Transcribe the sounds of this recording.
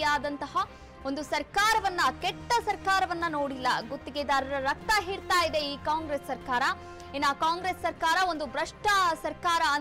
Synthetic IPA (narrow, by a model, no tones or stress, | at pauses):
jaːd̪ɐnt̪ɐɦɐ | o̞nd̪usɐɾkaːɾɐʋɐnːɐkeʈːɐsɐɾkaːɾɐʋɐnːɐnoːɽilːɐɡot̪ːiɡed̪ɐɾɐɾɐɾɐk̚t̪ɐɦiːɽt̪aːjid̪e̞iːkaːŋɡɾesːɐɾkaːɾɐ | inːaːkaːŋɡɾeːsːɐɾkaːɾɐo̞nd̪ubɾɐʂʈʰɐsɐɾkaːɾɐː